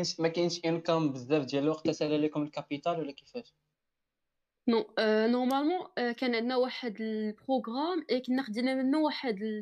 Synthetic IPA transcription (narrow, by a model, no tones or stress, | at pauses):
nʃmækænʃʔænkæmbəðːæfd̪jæləlwɑq̚t̪ːæsælælikʊməlkapit̪ælwlːækifæʃ | nɔ̃nɔʁmælmɑ̃kænʕəd̪næwaħəd̪əlpχoɡʁamʔekənːəqd̪inæmənːæwaħəd̪ə